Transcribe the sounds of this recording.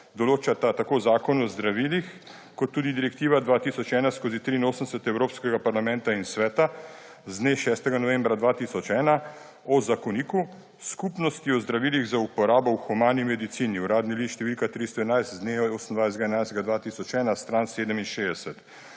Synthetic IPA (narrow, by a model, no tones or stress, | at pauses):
d̪ɔloːt͡ʃat̪at̪akoːzaːkɔnɔzd̪ɾaʋilix | kɔt̪ːuːd̪id̪iɾɛkt̪iːʋad̪ʋaːt̪isɔt͡ʃɛːnaskoːzit̪ɾiːnoːsənsɛt̪ɛwɾoːpskɛɡapaɾlamɛ̃nt̪ainsʋɛːt̪a | zd̪neʃɛːst̪ɛɡanɔʋẽmbɾad̪ʋat̪isɔt͡ʃɛːna | ɔzakɔniːku | skupnɔst̪iɔzd̪ɾaʋiːliɣzaupɔɾaːbɔwxɔmaːnimɛd̪it̪siːniuɾaːd̪niliʃt̪ɛʋiːlkat̪ɾist̪ɔɛnajst̪zd̪neosən̩d̪ʋajsɡaɛnajst̪ɡad̪ʋaːt̪iːsɔt͡ʃɛːnast̪ɾanseːd̪əminʃeːd̪ɛsɛt̪